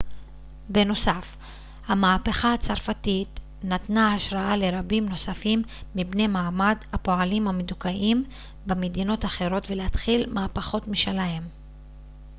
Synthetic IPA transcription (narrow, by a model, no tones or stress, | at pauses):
be̞no̞saf | hamaːpeχaːt͡saʁfatit | natnaaʃʁaale̞ʁabimno̞safimːibne̞maːmadhapo̞alimhamedukaʔim | bemedino̞taχe̞ʁo̞tvelehat̪χilmaːpaχo̞tmiʃelaem